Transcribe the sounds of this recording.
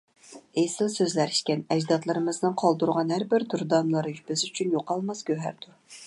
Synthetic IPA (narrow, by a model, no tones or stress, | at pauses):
ejsɨlˠsøzlæɾi̥ʃkʲɛnɛd͡ʒd̪ɑt̪lˠɨɾɨmɨznɨnqʰɑlˠd̪uɾʁɑnhæɾbɪɾd̪uɾd̪ɑmlˠɨɾɨbɪzyt͡ʃʰynjoqɑlˠmɑsɡʲøɦæ̰ɾd̪uɾ